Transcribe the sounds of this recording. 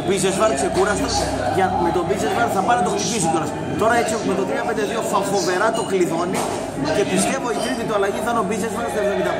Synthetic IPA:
obiznezvɐɾksekuɾɐst̪o | ʝɐmet̪obiznezvɐɾθɐpɐnɐt̪okt̪ipisit̪oɾɐs | t̪o̞ɾɐet͡sioumet̪ot̪ɾiɐpend̪eðio̞fɐfo̞veɾɐt̪o̞kliðo̞ni | ce̞pist̪e̞voikɾimit̪oɐlɐʝit̪ɐnobiznezvɐɾst̪eɾðɐmit̪ɐ

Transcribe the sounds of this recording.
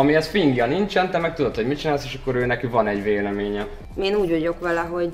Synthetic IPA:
ɒmiɛsfiŋɡjɒnint͡ʃɛnt̪ɛmɛk̚t̪ud̪o̞t̪ho̞ɟmit͡ʃinaːlseːʃɒkːo̞ɾøːnɛkivɒnɛɟveːlɛmeːɲɛ | eːnuːɟoɟo̞kʋɛlɛɦo̞ɟ

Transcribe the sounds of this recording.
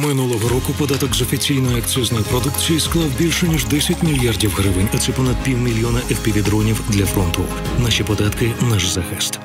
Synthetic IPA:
mɪnulˠɔɦɔɾɔkʊpɔd̪ɑt̪ɔkzɔfʲit͡sʲijnɔjʊɐkt͡s̪ʲɔznɔjipɾɔd̪ukt͡sʲijisklˠɑwbʲilʲʃɛnʲiʒd̪ɛsʲɐtʲmʲilʲjardʲiwɦɾɪʋɪnʲɐt̪sɛpɔnɐd̪̚pʲiwmʲilʲjɔnɐʔɛwpʲiʋʲid̪ɾɔnʲiwd̪lʲɐfɾɔnt̪ʊ | naʃipɔd̪ɑt̪kɪnaʒzɐxɛst̪

